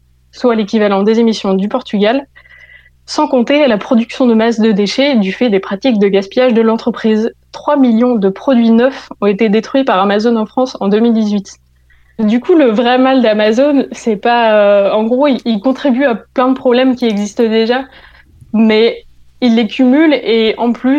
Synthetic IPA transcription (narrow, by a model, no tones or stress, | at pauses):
swalekʲivalɑ̃d̪ezemisjɔ̃d̪ypɔʁt̪yɡʲal | sɑ̃kɔ̃t̪elapχɔd̪yksjɔ̃d̪əmasd̪əd̪eʃed̪yfɛd̪epχat̪ik̚d̪əɡʲaspijaʒd̪əlɑ̃t̪χəpχiːzt̪χwamiljɔ̃d̪əpχɔd̪ɥinœfɔ̃et̪ed̪et̪χɥipaʁamazonɑ̃fχɑ̃sɑ̃d̪əmild̪izɥit̪ | d̪ykʰuləvʁɛmald̪amazonsɛpaøɑ̃ɡʁoiilkɔ̃t̪χibyaplɛ̃d̪əpχɔblɛmkʲiɛɡzist̪d̪eʒa | mɛ | ilːekʲʰymyleɑ̃ply